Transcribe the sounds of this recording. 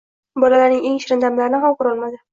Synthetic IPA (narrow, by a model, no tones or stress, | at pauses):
bɒlalaɾnɪŋe̞ŋɪʃɾɪnd̪amlaɾɪnɪɦamqʊɾɒlˠmad̪ɪ